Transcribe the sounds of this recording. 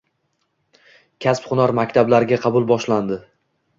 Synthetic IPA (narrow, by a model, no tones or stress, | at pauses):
kʲʰaspχʊnɒɾmakʲt̪ʰablaɾɡʲaqʰɑbʊlˠbɒʃland̪ɪ